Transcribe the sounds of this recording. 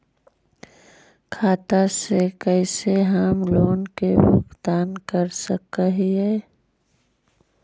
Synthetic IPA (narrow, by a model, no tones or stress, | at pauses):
kʰaːt̪asekɛɪseɦamloːnkebʊ̰kt̪aːnkəɾsəkəɦiɦɛː